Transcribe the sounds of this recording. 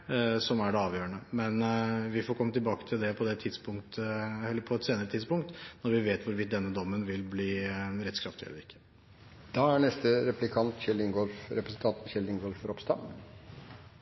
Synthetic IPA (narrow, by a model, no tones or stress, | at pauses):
sɔmæɖɛɑːʋjøːəɳəmɛnʋɪfɔɾkɔmːət̪ʰɪlbɑːkə̥t̪ʰɪld̪ɛpʰɔd̪ɛt̪ʰɪd̪spʊŋkt̪əɛlːəɾpʰɔɛt̪seːnəɾət̪ʰɪd̪spʊŋkt̪nɔɾʋɪʋeːt̪ʋʊɾʋɪt̪̚d̪ɛnːəd̪ɔmːənʋɪlbliːɾɛt̪skɾɑft̪ɪɛ̰lːəɾɪkːə̥ | d̪̥ɑːæɳɛst̪əɾɛplɪkʰɑnt̪çɛlɪŋɡɔlfɾɛpɾəsn̩t̪ʰɑnt̪n̩çɛld̪ɪŋɡɔlfɾɔpst̪ɑ̰m